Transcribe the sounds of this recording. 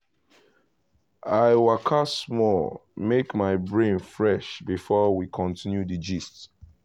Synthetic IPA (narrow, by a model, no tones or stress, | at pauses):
aɪwakʰasmɔlmekmaɪbɹẽnfɹɛʃbifɔwikʰɔ̃ntʰĩnjudid͡ʒist